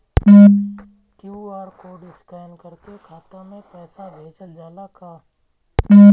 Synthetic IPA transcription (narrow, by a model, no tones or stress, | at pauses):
kjuaːɾkoːɖɪskaːnkəɾkekʰaːt̪ãmẽpɛːsad͡ʒet͡ʃəld͡ʒaːlakʰaː